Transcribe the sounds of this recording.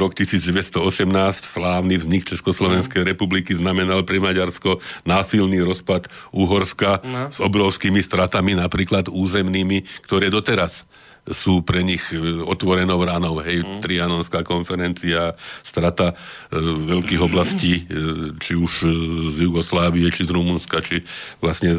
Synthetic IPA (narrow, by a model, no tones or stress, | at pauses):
ɾɔkt̪isiːd͡zɟʋɛst̪ɔɔsɛmnaːscslaːʊnivzɲikt͡ʃɛskɔslɔʋɛnskɛjɾɛpublikiznamɛnalpɾɛmaɟaɾskɔnaːsilniːɾɔspat̪uɦɔɾskaz̥ɔbɾɔʊskiːmist̪ɾat̪aminapɾiːklad̪uːzɛmniːmikt̪ɔɾɛːd̪ɔt̪ɛɾasː | uːpɾɛɲixɔt̪ʋɔɾɛnɔʊɾaːnɔʊɦɛjt̪ɾianɔnskaːkɔnfɛɾɛnt͡siast̪ɾat̪a | ʋɛʎkiːɣɔblasciːt͡ʃiuʃzjuɡɔslaːʋiɛt͡ʃizɾumunskat͡ʃiʋlasɲɛ